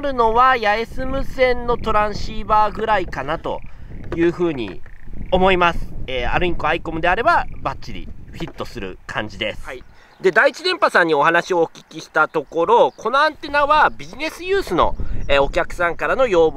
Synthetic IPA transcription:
ɾɯ̟no̞βajaesɨmɯ̟sẽ̞nːo̞t̪o̞ɾãɰ̃ɕiːbaːɡɯ̟ɾaikanat̪o̞̰jɯ̟ːɸɯ̟ːɲ̟ḭo̞mo̞imasɨ̥eːa̰ɾɯ̟iko̞aiko̞mɯ̟d̪e̞aɾe̞babatt͡ɕːiɾʲḭɸʲit̪ːo̞sɨɾɯ̟̰kʰãɲ̟d͡ʑid̪e̞sɨ̥ | d̪e̞d̪ait͡ɕid̪ẽ̞mpasãɲ̟ːio̞hanaɕio̞ːkʲi̥kʲiɕi̥t̪at̪o̞ko̞ɾo̞kʰo̞no̞ãnt̪e̞naβabʲiʑine̞sɨjɯːsɨno̞̰eːo̞kʲakɯ̟̥sãŋkaɾano̞jo̞ːb

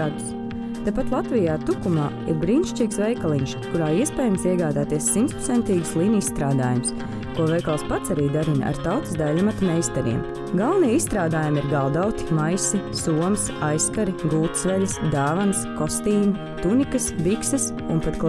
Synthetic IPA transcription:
s | t̪apat̪lˠat̪vijaːt̪ukumaː | ḭɾbɾiːnʃt͡ʃiksvɛjkalˠiɲʃkuɾaːiɛspɛːjamsiɛɡaːd̪aːt̪iɛsːimt̪pɾo̥tsɛnt̪iːɡslˠiːnissːt̪ɾaːd̪aːjums | kuɔvɛjkalˠspat̪saɾiːd̪aɾina̰ɾt̪awt̪ɨ̥sd̪alʲamat̪mɛjst̪aɾḭɛm | ɡalˠniɛisst̪ɾaːd̪aːjumiɾɡalˠd̪awt̪i̥majsisuɔmsajskaɾiɡuːt̪svɛlʲsd̪aːvanskɔst̪iːn | t̪unikəsbiksɐs | ṵnpat̪k

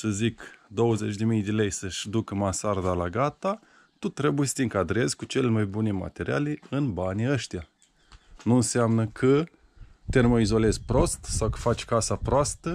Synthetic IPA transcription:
səzikd̪o̞wəze̞t͡ʃʲd̪e̞mijd̪e̞le̞jsəʃʲd̪ukəmasard̪alaɡat̪a | t̪ut̪ɾe̞bujesə̥t̪eɨŋkad̪ɾe̞zʲkut͡ʃe̞lemajbune̞ma̰t̪e̞ɾia̰leɨnbaniəʃt̪ija | nuɨnseamnəkʰə | t̪e̞rmoizo̞le̞zʲpɾo̞st̪sawkə̥fat͡ʃʲkasapɾoast̪ə

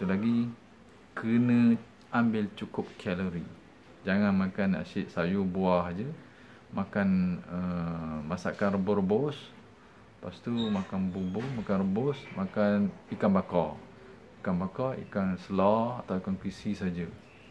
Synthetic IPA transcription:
t̪ulaɡi | kənə̃ | ambɪlt͡ʃukʊp̚kʰɛləɾi | d͡ʒaŋanmãkana̰sɪʔsajubuahd͡ʒə | makanəmasa̰ʔkanrəbʊrəbos | past̪umakanbubomakanrəbʊsmakanikanbaka | ikanbakaḭkansəlaat̪awikankɾisisad͡ʒə

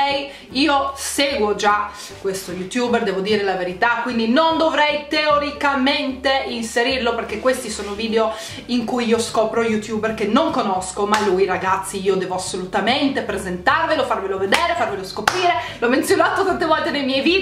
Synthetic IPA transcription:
ɛj | iːoseːɡwod͡ʒa | kwest̪ojut̪jubɛrd̪ɛːvod̪iːɾelaveɾit̪akːwind̪inond̪ovɾɛjt̪eoɾikament̪einseɾirloperkekːwest̪isoːnoviːd̪eo | iŋkujiːoskɔːpɾojut̪juːberkenːoŋkonɔskomalujɾaɡat̪sːiiːod̪ɛːvoasːolut̪ament̪epɾezent̪arvelofarveloved̪ɛːɾefarveloskopɾiːɾelɔment̪sjonaːt̪ot̪ant̪evɔlt̪enejmjɛjviː

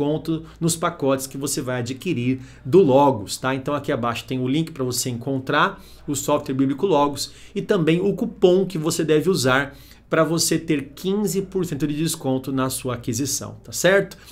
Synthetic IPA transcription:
õnt̪ʊnʊspakɔt͡ʃɪ̥skɪvosevajad͡ʒikiɾiɾ | d̪ʊlɔɡʊst̪aẽnt̪ɐ̃w̃akiabaʃʊ̥t̪ẽj̃ʊlĩkɪ̥pɾɐvoseẽkõnt̪ɾaɾ | ʊsɔft̪weɾbiblɪkʊlɔɡʊsɪt̪ɐ̃mbẽj̃ʊkupõw̃kɪvosed̪ɛvɪuzaɾ | pɾɐvoset̪eɾkʰĩzɪpoɾsẽnt̪ʊd͡ʒɪd͡ʒɪskõnt̪ʊnɐsuɐakizisɐ̰̃w̃t̪asɛɾt̪ʊ̥

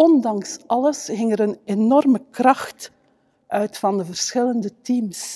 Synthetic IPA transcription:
ɔndɑŋsʔɑləsɣɪŋəɾənenɔrməkrɑxt | ʔœɥtfɑndəvərsxɪləndətims

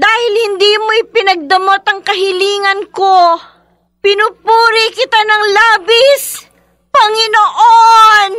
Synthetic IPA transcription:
d̪aːhɪlhɪnd̪iːmoʔɪpɪnɐɡ̚d̪ɐmot̪ɐŋkɐɦɪliːŋɐnko | pɪnupuːɾikɪt̪anɐŋlaːbɪs | pɐŋɪnoʔon

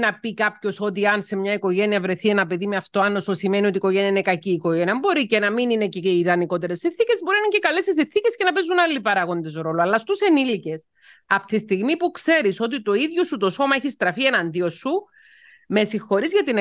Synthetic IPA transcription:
nɐpikɐpço̞so̞t̪̬iɐnse̞mɲɐiko̞ʝe̞niɐvɾe̞θienɐpe̞ðimeɐft̪oɐnːososime̞nio̞t̪iko̞ʝe̞niɐine̞kɐciːko̞ʝeniɐɐmbo̞ɾice̞nɐminineceiðɐniko̞t̪e̞ɾe̞sːinθice̞zbo̞ɾinɐnɐɲcekɐle̞sis̬inθice̞sce̞nɐpezunɐlːipɐɾɐɣo̞nd̪e̞zɾo̞loɐlːɐst̪use̞nilice̞s | ɐpt̪ist̪iɣmipukse̞ɾiso̞t̪it̪o̞iðʝo̞sut̪o̞so̞mɐeçist̪ɾɐfie̞nɐnd̪iosːu | me̞sixo̞ɾizʝɐt̪in

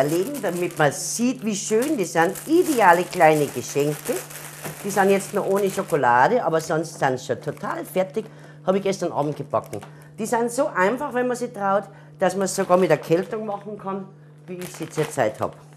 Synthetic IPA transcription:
ɐleːɡŋ̩damɪtmɐziːtviːʃøːndiːsanʔideaːləklaɪnəɡəʃɛŋkə | d̥iːsaɪnjɛt͡stnoʔoːnəʃokolaːdəʔɑ̰ːbɐsɔnstsaɪnsʃotʰotʰaːlfɛɐtɪç | hɑːbɪçɡ̥ɛstɐnʔa̰ːbm̩t̚ɡ̥əb̥ɑkŋ̩ | d̥iːsaɪnzoʔaɪnfɑχvɛnmɐziːtʁ̥aʊt | d̥asmɐsːoɡɑːɐmɪtɛɐkʰɛltʊŋmɑχn̩kʰɑn | viːɪçsiːt͡seːɐt͡sa̰ɪthɑ̰ːb

